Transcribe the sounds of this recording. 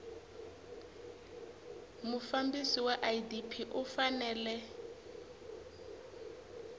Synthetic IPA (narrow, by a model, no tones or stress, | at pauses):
mufambisiwaʔajidipʰiʔufanɛːlɛ